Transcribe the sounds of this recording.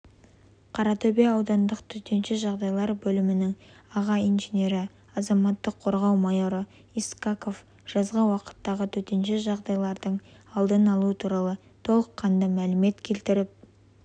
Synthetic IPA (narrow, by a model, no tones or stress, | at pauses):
qʰɑɾɑt̪ʰobijɑːwd̪ɑnd̪əqt̪ʰɵt̪e̞nʃɪʒɑʁd̪ɑjlˠɑɾbɵlɪmɪnɪŋ | ɑʁɑijnʒenʲe̞ɾɪ | ɑzɑmɑt̪ːəqʰo̞ɾʁɑwmajo̞ɾə | iskako̞f | ʒ̥ɑzʁəwɑqə̥t̪ːɑʁət̪ʰɵt̪enʃɪʒɑʁd̪ɑjlˠɑɾd̪əɴ | ɑlˠd̪ənɑlˠuət̪ʰuɾɑlˠə | t̪ʰo̞lˠəqʰːɑnd̪ɑmælɪme̞t̪kʲʰe̞lt̪ɪɾɪp̚